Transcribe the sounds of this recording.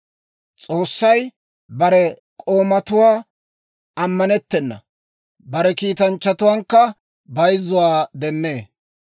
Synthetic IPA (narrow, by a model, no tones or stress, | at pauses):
t͡sʼo̞ːsːɐj | bɐɾɛkʼo̞ːmɐt̪ʊwaː | ɐmːɐnɛt̪ːɛnːɐ̰ | bɐɾɛkiːt̪ɐnt͡ʃːɐt̪ʊwaːŋkːɐ | bɐjzːʊwaːd̪ɛmːeː